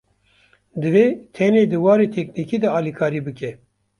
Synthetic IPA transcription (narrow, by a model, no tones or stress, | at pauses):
d̪ɨveːt̪ʰɛneːd̪ɨwɑːɾeːt̪ʰɛkniːkiːd̪ɛɑːlikʰɑːɾiːbɨkɛ